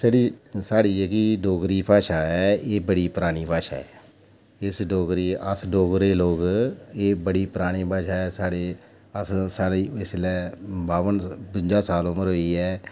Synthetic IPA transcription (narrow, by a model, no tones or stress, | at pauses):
səɽiːsaːɽiːɛkiɖoːɡɾiːpʰaːʃaːɛːeːbəɽiːpəɾaːɽ̃iːpaːʃa̰ːɛː | ɪsɖoːɡɾiːəsɖoːɡɾeːloːɡeːbəɽiːpəɾaːɽ̃iːpaːʃaːɛːsaːɽeː | əssaːɽiːɪslɛːbaːʋənpɪ̃ɲd͡ʒaːsaːloməɾɦoiːɛː